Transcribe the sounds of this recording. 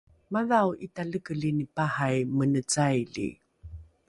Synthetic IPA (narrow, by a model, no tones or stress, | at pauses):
maðawitaɮəkəɮinipahajmənət͡sajɮḭ